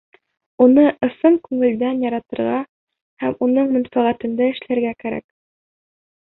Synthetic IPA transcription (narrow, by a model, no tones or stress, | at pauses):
unɤʔɤ̆sɤɴkʉŋɘ̆ld̪ænjɑɾɑt̪ɤ̆ɾʁɑ | hæmunɤɴmɵ̆nfæʁæt̪ɘ̆nd̪ɘɘ̆ʃlæɾɡækæɾæ̰k